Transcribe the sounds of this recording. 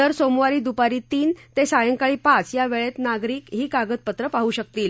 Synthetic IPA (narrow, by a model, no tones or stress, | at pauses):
əɾsomʋaɾiːd̪upaɾiːt̪iːnt̪esajəŋkaɭiːpat͡sjaʋeɭet̪naɡɾiːkɦiːkaɡət̪̚pət̪ɾəpaɦuːɕək̚t̪iːl